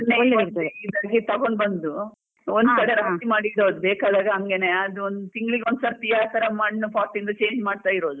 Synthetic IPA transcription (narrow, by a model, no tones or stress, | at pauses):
nːeid̪aːɡit̪ɐɡo̞ɳɖbɐnd̪u | ond̪kɐɽeɾɐt̪imaːɽiɽoːd̪ubeːkaːd̪aːɡɐɦɐŋɡe̞ne̞ɐd̪uond̪ut̪iŋɡɭiɡeond̪sɐːɾp̪ijaːt̪ɐɾɐmɐɽnupaːʈːind̪ɐt͡ʃe̞ːɲd͡ʒmaːɽt̪aːjiɾo̞ːd̪u